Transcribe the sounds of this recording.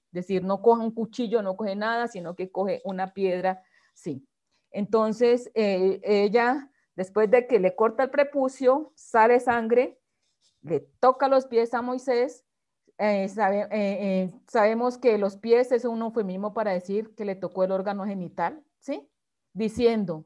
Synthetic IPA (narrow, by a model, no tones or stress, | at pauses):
d̪e̞siɾno̞ko̞xeauŋkut͡ʃiʝo̞no̞kohe̞naðasino̞ke̞koxe̞ʔunapjeð̞ɾa | si | ent̪o̞nse̞seeʝa | d̪e̞spwe̞zd̪e̞ke̞le̞ko̞ɾt̪aelpɾe̞pusjo̞ | sale̞saŋɡɾe̞ | let̪o̞kalo̞spje̞samo̞jse̞s | esaeesaβe̞mo̞ske̞lo̞spje̞sesunofemĩmo̞paɾaðesiɾke̞le̞t̪o̞ko̞elo̞ɾɡano̞xe̞nit̪al | si | d̪isje̞nd̪o̞